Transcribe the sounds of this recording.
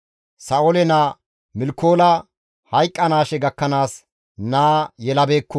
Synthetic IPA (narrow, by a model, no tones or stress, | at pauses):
sɐolɛnaː | mɪlkːo̞ːlɐ | hɐjkʼːɐnaːʃɛɡɐkːɐnaːs | naːjɛlɐbe̞ːkːɔ